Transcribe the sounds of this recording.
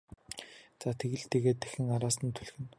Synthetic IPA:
t͡saːt̪ʰeɣɘ̆ɮt̪eːɣeːt̪ːæ̥xʲɘ̆ŋaɾaːsə̆nt̪ʰu̥ɮxɘ̆n

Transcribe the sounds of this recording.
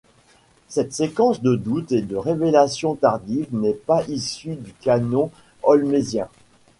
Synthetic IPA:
sɛt̪sekɑ̃sd̪əd̪ut̪ed̪əʁevelasjɔ̃t̪aʁd̪ivnɛpaʔisyd̪ykanɔ̃ | ɔlmezjɛ̃

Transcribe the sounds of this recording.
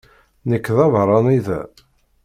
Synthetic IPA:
nəkːðɑvɾˤɑniðæ̰

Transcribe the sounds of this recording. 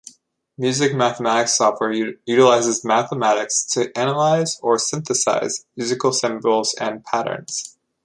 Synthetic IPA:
mjʉzɨk̚mæθəmæɾɨksɑft̚wɛɹjʉɾəlaɪzɨzmæθəmæɾɨkstʰɨʔænəlaɪzə˞sɪ̃nθəsa̰ɪzmjʉzɨkl̩ˠsɪ̃mbl̩ˠz̥ɨ̰̃npʰæɾə̰̃˞nz̥

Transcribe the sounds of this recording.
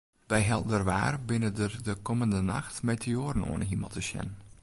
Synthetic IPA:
ʋɛjɦɛlˠdərʋa̰ːrbɪnədərdəkɔməndənɑ̰xtmejtʰɪoːɾəno̰ːənɦimɑ̰lˠtəʃjɛ̰n

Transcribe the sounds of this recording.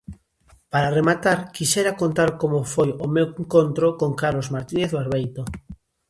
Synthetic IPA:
paɾaremat̪aɾkiʃeɾakont̪aɾkomofojomeweŋkont̪ɾokoŋkaɾlozmaɾt̪ineθβaɾβejt̪o

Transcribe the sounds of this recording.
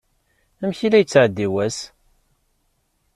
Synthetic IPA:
æmçilæjət͡sːʕəd̪ːiwæs

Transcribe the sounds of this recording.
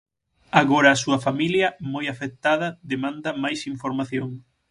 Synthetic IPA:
aɣoɾɐːsuɐfamiljɐmojafek̚t̪aðɐðemãnd̪ɐmajsiɱfoɾmaθjoŋ

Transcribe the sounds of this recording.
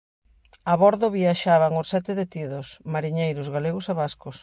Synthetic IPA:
aβɔɾðoβiaʃaβaŋʊsɛt̪ɪðet̪iðʊsmaɾiɲejɾʊzɣaleɣʊsaβaskʊs

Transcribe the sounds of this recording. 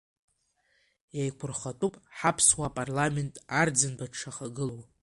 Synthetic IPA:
jajkʷʰʊrχatʼupʼħapʰswaːpʼarlame̞ntʼard͡zɨnbaʈ͡ʂʰaχaɡɨlow

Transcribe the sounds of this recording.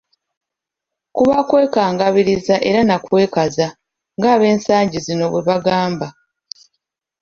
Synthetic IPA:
kuβakwe̞ːkaːŋɡaβiɾizaʔe̞ɾanakwe̞ːkaza | ŋɡaːβe̞ːnsaːɲɟizino̞βweβaɡaːmba

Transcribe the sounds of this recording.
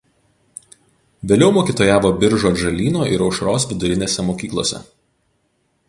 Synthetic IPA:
ʋʲeːlʲɛʊmoːkʲiːt̪oːjaːʋoːbʲɪɾʒoːʒɐlʲiːnoːɪɾɒʊʃɾoːsʋʲɪd̪ʊɾʲɪnʲeːsʲɛmoːkʲiːklˠo̰ːsʲɛ̰

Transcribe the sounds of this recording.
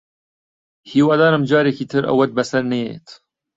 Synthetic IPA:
hiːwɑːd̪ɑːɾɐmd͡ʒɑːɾekiːt̪ʰɨɾɐ̰wːɐt̪̚bɐsɐɾneḛt̪

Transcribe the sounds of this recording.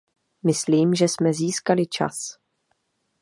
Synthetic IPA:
mɪsliːmʒɛsmɛziːskalɪt͡ʃa̰s

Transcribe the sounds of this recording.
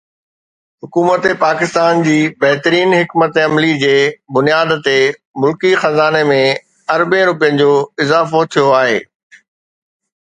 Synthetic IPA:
ɦʊkuːmət̪epaːkɪst̪aːnd͡ʑiːbɐɦɪt̪əɾiːnɦɪkmət̪eɐmlid͡ʑeːbʊnijaːd̪t̪e | mʊlkixɐzaːnemẽ | ɐɾbẽɾʊp̬ijə̃nɪ̆d͡ʑoːɪzaːfot̪ʰijoaːɦḛː

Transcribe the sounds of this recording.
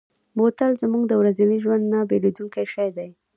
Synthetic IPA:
mot̪alzmuɡd̪əwɾazaniʒwand̪nabeled̪uŋkajʃajd̪aj

